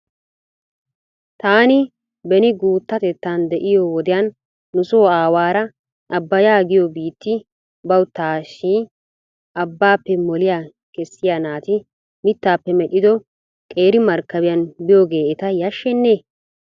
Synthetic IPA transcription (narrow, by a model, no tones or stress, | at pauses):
t̪aːnɪ | bɛnɪɡuːt̪ːɐt̪ɛt̪ːaːnd̪ɛʔɪjoːwɔd̪ɪjɐnː | ʊsoːaːwaːɾɐ | ʔɐbːɐjaːɡɪjobiːt̪ːɪ | bɐwt̪ːaːʃːiː | ɐbːaːpːɛmɔlɪjaː | kɛsːɪjanaːt̪ɪ | mɪt̪ːaːpːɛmɛɗɪd̪ɔ | kʼeːɾɪmɐɾkːɐbɪjɐnbɪjoːɡeːɛt̪ɐjɐʃːɛnːeː